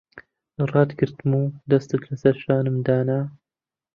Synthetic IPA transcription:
ɨrˤɑːt̪ɡɨɾt̪muːd̪ɐst̪ɨt̪lasɐɾʃaːnɨmd̪aːna

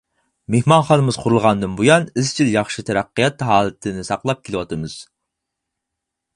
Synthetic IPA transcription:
mehmɑnχɑnɨmɨz̥qʰʊɾulˠʁɑnd̪ɨnbujɑnɪzt͡ʃʰiljɑχʃɨt̪ʰɛɾæqːijɑt̪ɦɑːlˠɨt̪ʰɨnɪsɑqlˠɑp̚kʲʰelɪwɑt̪ʰɨmɨz̥

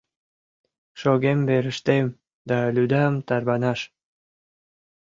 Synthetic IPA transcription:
ʃoɣembeɾə̆ʃt̪em | d̪ɑlʲyd̪ɑmt̪ɑrβɑnɑʃ

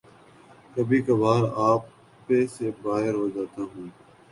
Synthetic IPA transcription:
kəbʱiːkabʱaːɾaːpː | eːseːbaːɦɪɾʋəd͡ʒaːt̪aːɦũː

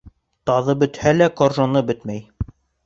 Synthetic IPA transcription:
t̪ɑðɤbɵ̆t̪hælækorʒonɤbɵt̪mæj

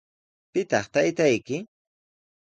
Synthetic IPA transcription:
pɪt̪ɑχt̪ajt̪ajkɪ

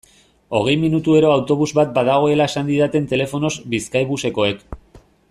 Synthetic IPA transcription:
o̞ɣ̞e̞jminut̪ue̞ɾo̞awt̪o̞β̞uzbat̪̚bað̞aɣ̞o̞e̞lae̞sand̪iðat̪e̞nt̪e̞le̞fo̞no̞zbiskajβ̞use̞ko̞e̞k

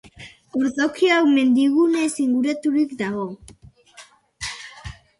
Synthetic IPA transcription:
oɾðo̞kioawme̞nd̪iɣune̞siŋɡuɾat̪uɾikd̪aɣo̞

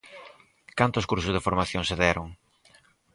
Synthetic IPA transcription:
kant̪ʊskuɾsʊzðefoɾmaθjoŋseðɛɾʊŋ

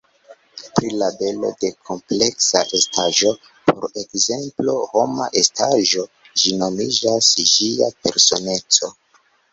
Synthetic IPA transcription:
pɾilabe̞lo̞̰de̞kʰo̞mple̞ksaʔe̞stʰaʒo̞ | pʰo̞ɾe̞kze̞mplo̞ho̞maʔe̞stʰaʒo̞ | d͡ʒino̞mid͡ʒasʒiape̞ɾso̞ne̞t͡so̞

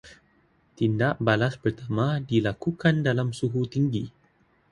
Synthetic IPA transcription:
t̪indaʔbalaspərt̪amãdilakukandalamsuɦut̪iŋɡi

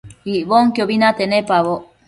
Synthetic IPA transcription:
iʔβoŋkjoβinat̪enepaβo

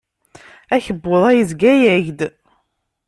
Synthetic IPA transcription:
æçəbːoðˤæjəzɡæjæʝd̪

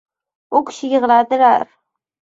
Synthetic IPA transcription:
ʊkʲʰɪ̥ʃɪjʲɪʁɨlˠad̪ɪla̰ɾ

